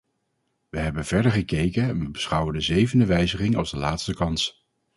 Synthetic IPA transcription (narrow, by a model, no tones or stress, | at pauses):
ʋəɦɛbənv̥ɛɹdəɹχəkejkənɛnʋəbəsχʌwəndəzejvəndəʋɛjzəχɪŋɑlˠzdəlaːtstəkɑns